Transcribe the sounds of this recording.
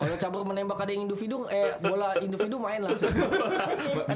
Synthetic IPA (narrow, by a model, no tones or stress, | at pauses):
kalot͡ʃabərmənembakadajaŋindufidʊŋɛbolaindufidʊmaɪnlausau